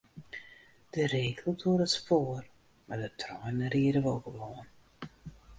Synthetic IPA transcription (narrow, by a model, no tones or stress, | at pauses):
d̥əɾeːkəlˠtʰuəɾətspoːr | mardətʰrɔjnəɾiəɾəʋɔlˠɣəʋoːən